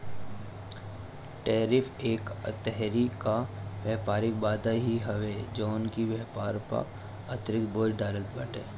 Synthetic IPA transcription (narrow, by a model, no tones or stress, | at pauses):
ʈeːɾɪfʰeːkət̪ɛɦɾikaʋɛːpaːɾɪk̚baːd̪aɦiɦɐʋed͡ʒɔːnkiʋjɛːpaːɾpɐ̰ɾ | ɐt̪ɾɪk̪̚boːd͡ʒɖaːɾəlt̪bɐʈeː